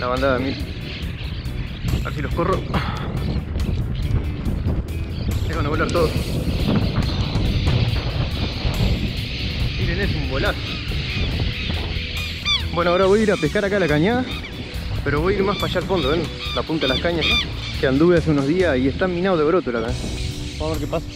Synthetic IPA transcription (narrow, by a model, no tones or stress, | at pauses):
lʔaβand̪aðamiɾe | a̰silohkoro | seβanaolaɾt̪oðos | iɾenesumbolaso | bwenoaoɾaβo̞jiɾapehkaɾakalakaɲa | peɾoβo̞jiɾmaspaʃalfond̪oen | lapunt̪alahkaɲasa | keand̪uβeaseunoɦðiasieht̪amĩnaoðeoɾot̪olakaɲa | maβeɾkepasḁ